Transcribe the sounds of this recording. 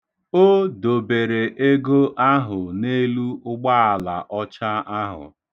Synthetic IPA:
o˦do˨be˨ɾe˨ʔe˦ɡo˦ʔa˦ɦʊ˨ne˦lu˦ʊ˦ɡ͡ba˦a˨la̰˨ʔɔ˦t͡ʃa˦a˦ɦʊ̰˨

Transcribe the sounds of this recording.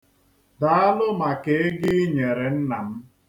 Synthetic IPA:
da˨˦a˦lʊ˦ma˨ke˨˦e˦ɡɪ˦ɲe˨ɾe˨n̩˦na˨m̩˦

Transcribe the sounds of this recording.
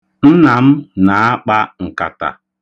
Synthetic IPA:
n̩˦na˨m̩˦na˨a˦k͡pa˦ŋ̩˨ka̰˨ta̰˨

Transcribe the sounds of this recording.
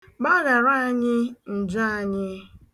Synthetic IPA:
ba˦ɾa˨ɾa˦a˦ɲɪ˦n̩˨d͡ʒa˦a˨ɲɪ˦

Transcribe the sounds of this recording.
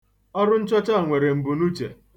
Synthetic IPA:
ɔ˦ɾʊ˦n̩˦t͡ʃɔ˦t͡ʃa˦˨ŋʷe˨ɾe˨m̩˨bu˨nu˦t͡ʃḛ˨

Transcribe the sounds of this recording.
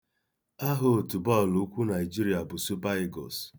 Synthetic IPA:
a˦ɦo˨tu˨bɔ˦˨lu˨˦kʷu˦na˨ɪ˨d͡ʒi˦ɾi˨a˨bʊ˨su˦ba˦i˦ɡɔ̰˨s

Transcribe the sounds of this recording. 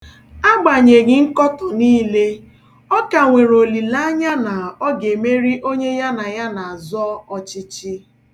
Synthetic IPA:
a˦ɡ͡ba˨ɲe˨ɡɪ˦ŋ̩˦kɔ˦tɔ˨niː˦le˦ | ɔ˦ka˨ŋʷe˨ɾo˨li˨la˦a˦ɲa˦na˨ɔ˦ɡe˨me˦ɾi˦ʔo˦ɲe˦ja˦na˨ja˦na˨a˨zɔ˦ɔ˨t͡ʃɪ˦t͡ʃɪ˦

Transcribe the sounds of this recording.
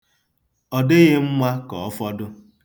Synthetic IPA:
ɔ˨de˦ɣe˦m̩˦mʷa˦kɔ̰˨ɔ˦fɔ˦dʊ˦

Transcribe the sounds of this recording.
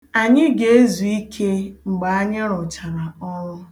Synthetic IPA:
a˨ɲɪ˦ɡe˨˦e˦zu˨i˦kʰe˦ŋ͡m̩˨ɡ͡ba˨a˦ɲɪ˦ɾʊ˨t͡ʃa˨ɾa˨ɔ˦ɾʊ˦

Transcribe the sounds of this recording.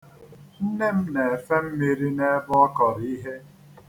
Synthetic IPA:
n̩˦ne˦m̩˦ne˨e˨fe˦m̩˦mi˦ɾi˦ne˦bɔ˦ɔ˦kɔ˨ɾi˦ɦe˦

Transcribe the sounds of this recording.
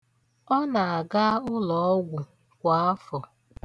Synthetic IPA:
ɔ˦na˨a˨ɡa˦ʊ˦lɔ˨ɔ˦ɡʷʊ˨ | kʷa˨ɔ˦fɔ˨

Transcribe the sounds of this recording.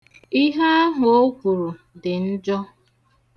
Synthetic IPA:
i˦ɦa˦a˦ɦʊ˨o˦kʷu˨ɾu˨ | dɪ˨n̩˦d͡ʒɔ˦

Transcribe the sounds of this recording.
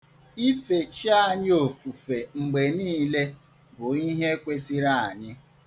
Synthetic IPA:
i˦fe˨t͡ʃi˦a˦˨ɲɪ˦o˨fu˨fe˨ŋ͡m̩˨ɡ͡be˨niː˦le˦ | bʊ˨i˦ɦe˦kʷe˦si˦ɾa˦˨a˨ɲɪ˦

